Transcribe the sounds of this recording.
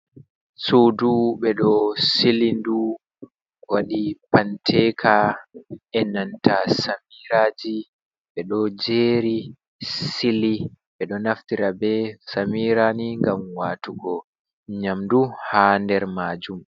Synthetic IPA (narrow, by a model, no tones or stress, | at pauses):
suːduɓɛɗɔsilindu | waɗipantʰɛːkʰa | ɛnantasamiɾaːd͡ʒi | ɓɛɗɔd͡ʒeːɾi | siliɓɛɗɔnaftiɾabɛsamiɾaniŋɡamwaːtuɡɔ | ɲamduhaːndɛɾmaːd͡ʒum